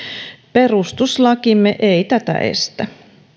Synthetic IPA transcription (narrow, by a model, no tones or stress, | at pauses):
perust̪uslɑkimːeʔeit̪æt̪æ̰ʔe̞̰st̪æ